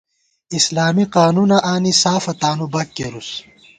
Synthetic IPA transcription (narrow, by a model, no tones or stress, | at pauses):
islaːmiqaːnunɐʔaːnisaːfɐt̪aːnubɐkːeɾus